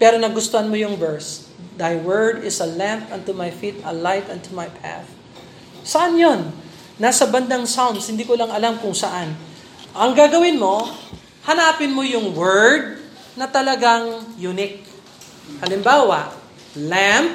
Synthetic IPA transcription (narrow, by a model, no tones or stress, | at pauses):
pɛːɾonɐɡʊst̪oɐnmojʊŋbɛɹs | d̪ajwɛɹd̪ɪsɐlãmpʔɐnt̪umajfit̪ɐlajt̪ɐnt̪umajpʰa̰θ | sɐʔanjo̞nː | asɐbɐnd̪aŋsawnd̪shɪnd̪iːkʊlɐŋɐlamkʊŋsɐʔan | ʔɐŋɡaːɡɐwɪnmo̞ | hɐnaːpɪnmojʊŋwɛɹd̪̚ | nɐt̪ɐlɐɡaŋjunɪk̚ | hɐlɪmbaːwɐʔ | lamp̚